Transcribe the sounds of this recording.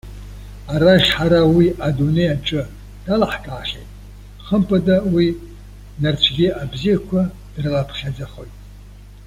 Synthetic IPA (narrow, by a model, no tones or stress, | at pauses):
aɾaʒʲħaɾawiʔadune̞jaʈ͡ʂʼɨ | d̥alaħkʼaːχʲḛjtʼ | χəmpʼadawi | nart͡ɕʷʰɡʲɪabzijakʷʰa | d̥rɨlapʰχʲad͡zaχojtʼ